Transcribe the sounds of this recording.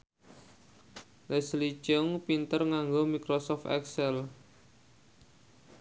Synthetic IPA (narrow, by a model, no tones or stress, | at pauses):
lɛslit͡ʃɔŋpint̪ərŋaŋɡomikɾosɔft̪ɛ̰ksɛl